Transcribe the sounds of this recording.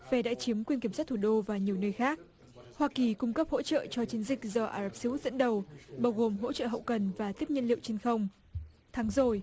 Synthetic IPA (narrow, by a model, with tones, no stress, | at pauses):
ve˨˩ɗa̰ː˧˥t͡ɕi˨˦əmkwi˧nki˧˩msaː˦˥t̚t̪ʰu˧˩ɗo˧vaː˨˩ɲi˨˩əwnəː˧jxaː˦˥k̚ | hwaː˧ki˨˩kʊ˧ŋ͡mkə˦˥p̚ho̰˧˥t͡ɕə̰ː˧˨t͡ɕɔ˧t͡ɕi˨˦ənzï˨˩k̟̚zɔ˧ʔaː˧˩zə˦˥p̚si˧˦u˦˥t̚z̥ə̰˧˥nɗə˨˩wɓaː˧wɣo˨˩mɦo̰˧˥t͡ɕə̰ː˧˨ɦə̰˧˨wkə˨˩nvaː˨˩t̪i˦˥əp̚ɲə˧˨nlḭ˧˨wt͡ɕe˧nxə˧wŋ͡m | t̪ʰaː˨˦ŋzo˨˩j